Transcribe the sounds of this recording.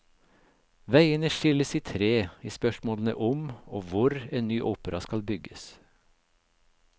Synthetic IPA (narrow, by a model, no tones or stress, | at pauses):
ʋæɪənəʃɪləsiːt̪ʰɾeːiːspœʃmoːlənə̰ʔʊmoːʋʊɾeːnnːyːʔuːpəɾɑskɑlbʏɡəs